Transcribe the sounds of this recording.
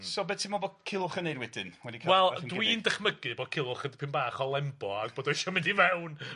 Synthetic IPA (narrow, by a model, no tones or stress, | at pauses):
sɔbɛdtʰɪmɔboːkʰɪlˠʊχənejɾwɛdɪnwɛdikʰwɛlˠdwindəχməɡɨboːd̚kʰɪlˠʊχəndpʰɪmbaːχɔlˠɛmbɔaɡboːdɔʃɔmɪndivɛwn